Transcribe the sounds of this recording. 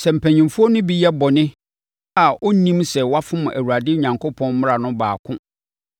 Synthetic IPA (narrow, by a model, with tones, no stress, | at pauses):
sɛ˨m̩˨pʰæ̃˨ɲĩ˨fu˦ɔ˦nʊ̃˦bi˦jɛ˦bɔ˨nɪ̃˦ | a˨ʔo˦nĩ˦msɛ˨wa˦fʊ˦mʊ̃˨ʔæ̰˨wu˨ɾa˨dɪ˦ɲã˨ŋkʰo˦pʰɔ̃˦n˦mʊ̃˦ɾa˨nʊ̃˦baː˨kʰʊ̃˦